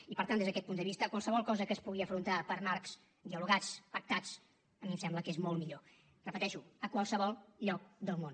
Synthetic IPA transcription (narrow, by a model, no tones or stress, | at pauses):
ipəɾt̪and̪ezðəkɛt̪̚pund̪əβist̪əkwalˠsəβ̞ɔlˠkɔzəkəspuɣiəfɾunt̪apəɾmaɾks | d̪iəluɣat͡spək̚t̪at͡s | əmimsɛmbləkezmolˠmiʎo | rəpət̪ɛʃuəkwalˠsəβɔlˠʎɔk̚d̪əlˠmon